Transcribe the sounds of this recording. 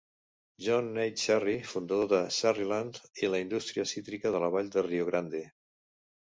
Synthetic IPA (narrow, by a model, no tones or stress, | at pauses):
ʒɔnːɛj̪ʃɛrifund̪əðoðəsariland̪iləind̪ust̪ɾiəsit̪ɾikəðələβ̞aʎd̪ərioɣ̞ɾand̪e